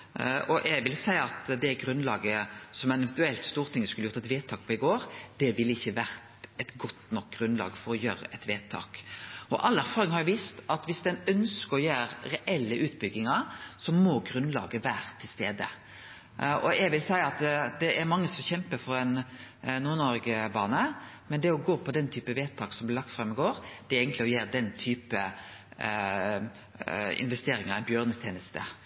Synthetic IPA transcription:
ʔɔʔɛɡʋɪlsæɪəɑt̪d̪ɛæɡɾʉnlɑ̰ːɡəsɔmɛnɛʋɛnt̪ʉɛlt̪st̪uːɾt̪ʰɪŋːəskʉləjʊɾt̪ɛt̪ʋeːt̪ʰːɑːk̚pʰɔːɪɡoːɾd̪̥ɛʋɪlːəɪçːəʋæɾt̪ɛt̪ɡɔt̪ːnɔk̚ɡ̥ɾʉnlɑ̰ːɡfɔɾɔjøːɾə̰ʔɛt̪ʋeːt̪ʰːɑ̰ːkɔ̰ʔɑlːæɾfɑːɾɪŋhɑɾjʊʋiːst̪ɑt̪ʋɪsd̪ɛnœnskəɾɔjæːɾɾɛʔɛlːəʔʉːt̪bʏɡːɪŋɑɾsɔmɔɡɾʉnlɑ̰ːɡəʋæːɾt̪ʰɪlst̪ḛːd̪ə | ɔɛɡʋɪlsæɪɑt̪d̪ɛʔæɾmɑŋːəsɔmçɛmpəfɔɾɛnnːuːɾnɔɾɡəbɑːnə | mɛnd̪ɛɔɡoːpʰɔd̪ɛnt̪ʰyːpəʋeːt̪ʰɑːksɔmblɪlɑk̚t̪fɾɑmːɪɡoːɾd̪ɛɾeːɡənt̪lɪɔjeːɾd̪ɛnt̪ʰyːpə | ɪ̰nʋɛst̪eːɾɪŋəɾɛɪnbjøːɾnət̪ʰjeːnəst̪ə̰

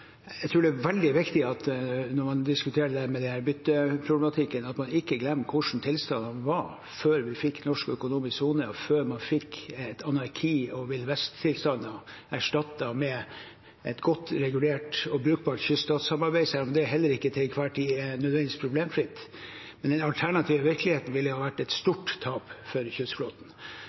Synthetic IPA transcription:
æɪt̪ʰɾʉːɖɛæʋɛld̪ɪʋɪkt̪ɪɑt̪nɔɾmɑnd̪ɪskʉt̪ʰeːɾəd̪æːɾmɛd̪ɛnhæːɾbʏt̪ːəpʰɾʊblɛmɑt̪ʰɪkːənɑt̪mɑnɪkːəɡlɛmːəkʰʊʂn̩t̪ʰɪlst̪ɑnɑnʋɑɾ | føːɾʋɪfɪkːnɔʂkœkʊnuːmɪssuːnəføːɾmɑnfɪkːɛt̪ʰɑnɑɾkʰiːɔʋɪlʋɛst̪ʰːɪlst̪ɑnɔ | æʂʈɑt̪ːɑmɛ | ɛt̪ɡɔt̪ːɾɛɡʉleːʈɔbɾʉːk̚bɑːʈçʏst̪ɑːt̪sɑmɑɾbæɪsæːɾɔmd̪ɛɾɦɛlːəɾɪkːət̪ʰɪkʰʋɑːʈʰiɛnœd̪ʋɛnd̪ɪskpʰɾʊbleːmfɾɪt̪ː | mɛnd̪ɛnɑlt̪ʰæɳɑt̪ʰiːʋəʋɪɾklɪheːt̪n̩ʋɪlːəhɑːʋæʈːɛt̪st̪uːʈt̪ʰːɑːpfɔɾçʏsflɔt̪n̩

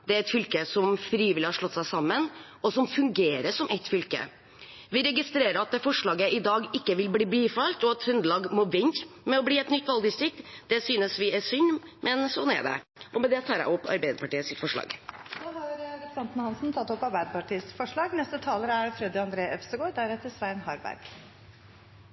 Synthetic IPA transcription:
d̪ɛæɾɛt̪fʏlkəsɔmfɾiːʋɪlɪhɑʂɭɔt̪ːsæɪsɑmːən | ɔsɔmfʉŋɡeːɾəsɔmʔɛt̪ːfʏlkə̰ | ʋɪɾɛɡɪst̪ɾeːɾəɑt̪̚d̪ɛfɔʂɭɑːɡəʔɪd̪ɑːɡɪkːəʋɪlbliːbliːfɑlt̪ɔɑt̪hʉnd̪lɑːɡmɔʋɪnɾmɛɔbliːɛt̪nʏt̪ːʋɑld̪ɪst̪ɾɪk̚t̪d̪̥ɛsyːnəsʋɪɛsʏnːmʔɛnsɔnæ̰ɖɛ̰ | ʔɔmɛd̪ɛt̪ʰɑːɾæ̰ɪɔpːɑ̰ɾbæɪd̪əpɑʈiːəsɪt̪fɔʂɭɑ̰ːɡohɑɾɑɡet̪sɑnt̪nhɑnsn̩t̪ʰɑt̪ːɔpːɑɾbæɪd̪əpɑʈʰiːsfɔʂɭɑːɡnɛst̪ət̪ʰɑːləɾæɾfɾɛd̪əɪɑnd̪ɾeːʔœpsəɡoːd̪æɾɛt̪ːəsʋæɪnhɑɾbæ̰ɾɡ̥

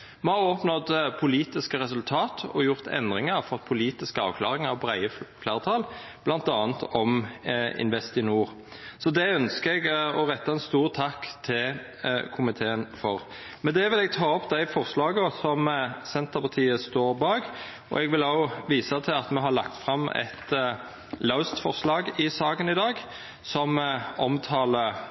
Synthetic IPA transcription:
mɛhɑɾʁɔːpnɔd̪pʰʊliːt̪ɪskəɾɛsʉlt̪ʰɑːt̪ɔ̰jʊʁt̪ʰɛ̰nd̪ʁɪŋəfɔʁt̪pʰʊliːt̪ɪskəɑ̰ʋkʰlɑːɾɪŋɑʋbʁæɪəflɑːʁt̪ʰɑːl | b̥lɑnt̪ɑːnt̪ʰɔmɪ̰nʋɛst̪ɪnuːʁ | sɔd̪ɛœnskəɛɡɔɾɛt̪ːɑɛnst̪uːʁt̪ʰɑkːt̪ʰɪl | kʰʊmɪt̪ʰeːənfɔʁ | mɛnd̪ɛʋɪlɛɡ̚t̪ʰɑːɔpd̪æɪfɔʁslɑːɡəɔsɔmsɛnt̪əɾpʰɑt̪ʰiːəst̪oːɾbɑːɡ | ɔ̰ɛɡʋɪlɑʊʋiːsɑt̪ʰɪlɑt̪mɛɦɑɾlɑ̰kt̪fʁɑmɛ̰t̪ | laʊst̪fɔʁslɑːɡɪsɑːkənɪd̪ɑːɡ | sɔmɔmt̪ʰɑːlə

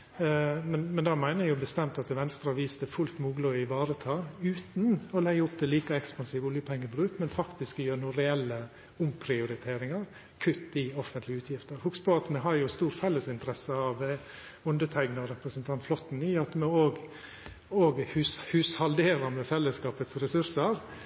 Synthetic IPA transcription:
mɛnmɛnd̪ɑːmæɪnəjʊbəst̪ɛmt̪ɑt̪ʋɛnst̪ɾɑʋiːsd̪əfʉlt̪muːɡloɪʋɑːɾət̪ʰɑːʉːt̪n̩ɔlɛɡəʊpt̪ʰɪliːkəɛkspɑnsiːʋəʊljəpʰɛŋːəbɾʉːkmɛnfɑkt̪ɪskjøːɾnuːɾɛɛlːə | ʊmpʰɾɪʊɾɪt̪ʰeːɾɪŋɑɾ | kʰʉt̪ːɪɔfənt̪lɪəʉːt̪ʰjɪft̪əɾhʊkspʰɔɑt̪mɛɦɑɾjʊst̪uːɾfɛlːəsɪnt̪əɾɛsːəɑʋ | ʊnd̪ət̪ʰæɪɡnəɔɾɛpɾəsnt̪ʰɑnt̪flɔt̪n̩ɪɑt̪mɛoːɡ | oːɡhʉshʉːshɑld̪eːɾəɾmɛfɛlːəskɑːpət̪sɾɛsʉɾsəɾ

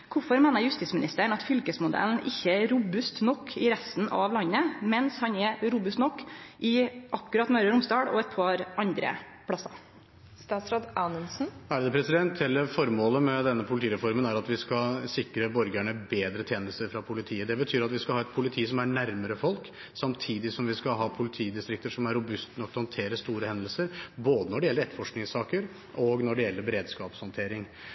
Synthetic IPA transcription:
kʰʊfɔɾmeːnəɾjʉst̪iːsmɪnɪst̪əɳɑt̪fʏlkəsmʊd̪ɛ̰ln̩ʔɪçːəæɾʊbʉst̪nɔkʰːɪɾɛst̪n̩ʔɑ̰ʋlɑnːəmɛnshɑnɛɾʊbʉst̪nɔkːʔɪʔɑkːʉɾɑt̪mœʏɾəɾʊmst̪ɑːɽɔ̰ɛt̪̚pʰɑɾɑnd̪ɾə̰ | pʰɽɑsɑ̰ | st̪ɑːsɾɑd̪ɑnənsn̩æɖɛpʰɾɛsɪd̪ɛnt̪ʰɛlːəɾfɔɾmoːləmɛd̪ɛnːəpʰʊlt̪ʰiːɾɛfɔɾmənæɾɑt̪ʋɪskɑlsɪkɾəbɔɾɡæɳəbeːd̪ɾət̪ʰeːnəst̪əɾfɾɑpʰʊlɪt̪ʰiːəd̪ɛbət̪ʰyːɾɑt̪ʋɪskɑlhɑːɛt̪̚pʰʊlɪt̪ʰiːsɔmæɳæɾməɾəfɔlk | sɑmt̪ʰiːd̪ɪsɔmʋɪskɑɦɑːpʰʊlɪt̪ʰiːd̪ɪst̪ɾɪk̚t̪əʂɔmæɾːʊbʉst̪ənɔk̪̚ːhɑnt̪ʰeːɾəst̪uːɾəhɛnd̪əl̩səɾboːd̪ənɔɖɛjɛlːəɾɛt̪ːəfɔʂknɪŋsɑːkəɾ | ʔɔɡnɔɖɛjɛlːəɾbɛɾeːd̪skɑːpshɑnt̪ʰeːɾɪŋ

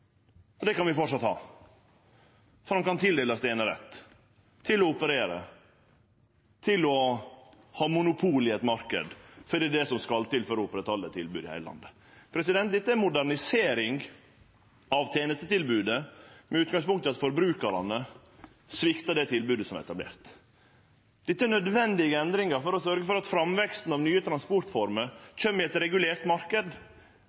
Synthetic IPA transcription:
ɔd̪ɛkɑnʋɪfɔʈʂɑt̪hɑ̰ː | fɔɾɑnkɑnt̪ʰɪld̪eːlɑst̪eːnəɾɛ̰t̪ːʰ | ɪlɔʊpəɾeːɾə̰ | t̪ʰɪlɔ | hɑːmʊnʊpʰuːlɪɛt̪mɑɾkə̰d̪fɔɾd̪iːd̪ɛsɔmskɑlt̪ɪlføːɾɔʊpːɾət̪ʰɑlːət̪ʰːɪlbʉːd̪ɪhæ̰ɪəlɑ̰nd̪ə | pʰɾɛsɪd̪ɛnt̪d̪ɛt̪ːəæmʊd̪æɾɳɪseːɾɪŋ | ɑʋt̪ʰjeːnəst̪ət̪ɪlbʉːd̪əmɛʉːt̪̚ɡɑŋspʊŋkt̪əɑt̪fɔɾbɾʉːkɑɾɑ̰nə | sʋɪkt̪ɑd̪ɛt̪ʰɪlbʉːd̪əsɔmæ̰ɾɛ̰t̪ɑblḛːɾt̪ | d̪̥ɪt̪ːəænœd̪ʋɛnd̪ɪɡəɛnd̪ɾɪŋəɾfɔɾɔsœɾɡəfɔɾɑt̪fɾɑmʋɛkst̪n̩ɑʋnyːət̪ʰɾɑnspɔɾʈ̪fɔɾməɾc͡çømːɪɛt̪ɾɛɡʉleːɾt̪mɑɾkəd̪

